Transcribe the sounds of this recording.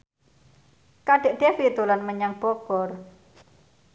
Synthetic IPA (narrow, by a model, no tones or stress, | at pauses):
kaɖ̥e̤ʔɖ̥efit̪ulanməɲaŋb̥ɔɡ̥ɔr